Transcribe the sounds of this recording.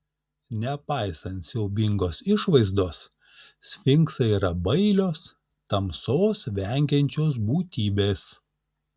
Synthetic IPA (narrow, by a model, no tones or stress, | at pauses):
nʲɛpɑˑɪsɐnt̪sʲɛʊbʲɪŋɡoːsɪʃʋɐɪzd̪oːs | sʲfʲɪŋksɐiːɾɐbɐɪlʲoːs | t̪ɐmsoːsʋʲɛŋʲɡʲɛnʲt͡ʃʲoːs̬buːt̪ʲiːbʲeːs